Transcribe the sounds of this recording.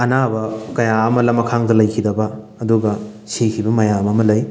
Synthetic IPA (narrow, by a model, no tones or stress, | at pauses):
ɐnabɐkɐjaɐmɐlɐmɐkʰaŋdɐlɐjkʰidɐbɐː | duɡɐ | sekʰibɐmɐjamɐmɐlɐj